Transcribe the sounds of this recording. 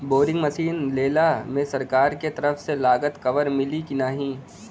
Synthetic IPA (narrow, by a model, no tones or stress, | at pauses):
boːɖɪ̃ŋɡmɐʃiːnleːlamẽsɐɾkaːɾket̪ɐɾəfselaːɡət̪kɐʋəɾmɪlikɪnaːɦĩː